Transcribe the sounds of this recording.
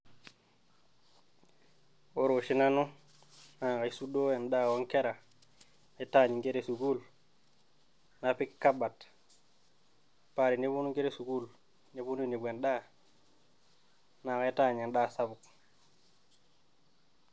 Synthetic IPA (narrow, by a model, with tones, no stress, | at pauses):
o˦ɾo˨ʃi˦na˦nu˦ | na˨ka˨i˦su˦do˦e˨nda˦˨wɔ˦ŋke˦ɾa˨ | ne˦ta˦˨ɲi˨ŋke˦ɾe˦˨su˨ɡu˦˨l | na˨pi˦kka˦ba˨t | pa˨ɾi˨ni˦βu˦nu˦ŋke˦ɾe˦su˨ɡu˦˨l | ne˦bu˦nu˦i˦ni˨bʷwe˨nda˦ | na˨ka˨i˦ta˦˨ɲe˨nda˦˨sa˦bu˨k